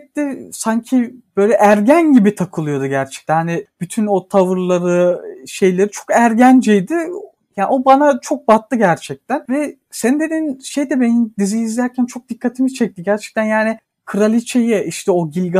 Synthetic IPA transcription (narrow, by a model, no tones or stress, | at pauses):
t̪isaɲcʰib̥ø̞jlʲɛʔæɾɟænɟibit̪ʰakʰɯlˠɯjo̞d̪uɟæɾt͡ʃʰɛ̥c̚t̪ʰænhanib̥yt̪ʰyno̞t̪ʰavɯɾlˠaɾɯʃe̞jlʲe̞ɾit͡ʃʰo̞kæɾɟænd͡ʒɛjd̪ɪ | jaːo̞banat͡ʃʰo̞k̚bat̪lˠɯɟæɾt͡ʃʰɛc̚t̪ʰænvɛ | sɛnd̪e̞d̪inʃe̞jd̪ɛbenimd̪iziiːzlʲæɾcʰænt͡ʃʰo̞k̚d̪̥ikʰːat̪ʰimit͡ʃʰɛc̚t̪ʰiɟæɾt͡ʃʰɛ̥c̚t̪ʰænjaːnɪ | kʰɯɾalʲit͡ʃʰejɛʔiʃt̪ʰɛo̞ɟilʲɡa